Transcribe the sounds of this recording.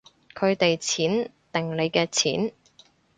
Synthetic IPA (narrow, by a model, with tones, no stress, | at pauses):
kʰɵ˨˧ɥt̪e˨jt͡sʰiː˨˥nt̪ɪ˨˩ŋle˨˧jkɛː˧t͡sʰiː˨˥n